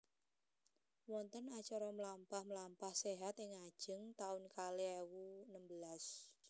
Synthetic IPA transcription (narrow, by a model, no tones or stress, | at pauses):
wɔnt̪ənat͡ʃɔɾɔməlampahməlampahseɦat̪ɪŋḁʒ̥əŋt̪aʊnkaleewunəmbəlas